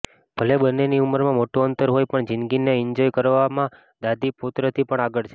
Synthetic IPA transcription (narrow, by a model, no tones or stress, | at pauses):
b̥ʱəlebənːeniuməɾmãmoʈuənt̪əɾɦojpəɳd͡ʒɪnɡineɪɲd͡ʒojkəɾʋamã | d̪ad̪ʱiput̪ɾət̪ʰipəɳaɡəɭt͡ʃʰe